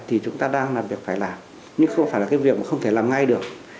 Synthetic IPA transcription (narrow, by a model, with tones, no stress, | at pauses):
t̪ʰi˨˩t͡ɕʊ˨˦ŋ͡mt̪aː˧ɗaː˧ŋlaː˨˩mɓi˨˩ək̚faː˧˩jlaː˨˩m | ɲɨ˧ŋxə˧wŋ͡mfaː˧˩jlaː˨˩kːjvi˨˩ək̚maː˨˩xə˧wŋ͡mt̪ʰe˧˩laː˨˩mŋa˧jɗɨ˨˩ək̚